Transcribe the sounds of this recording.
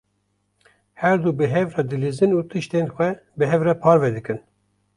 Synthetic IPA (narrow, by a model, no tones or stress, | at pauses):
hɛɾd̪ubɨɦɛvrɛd̪ɨlizɨnuːt̪ʰɨʃt̪enxʷɛ | bɨɦɛvrɛpʰɑːɾvɛd̪ɨkɨn